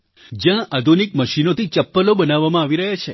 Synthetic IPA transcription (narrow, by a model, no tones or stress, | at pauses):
d͡ʒjãʔad̪ʱunikməʃinot̪ʰit͡ʃəpːəlobənaʋːamãaʋiɾəɦat͡ʃʰe